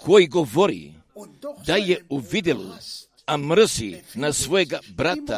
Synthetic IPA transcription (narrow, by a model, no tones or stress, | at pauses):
kʰojɡovoɾḭ | d̪ajɛuvid̪ɛlṵ | amɾəsinasvoeɡabɾat̪a̰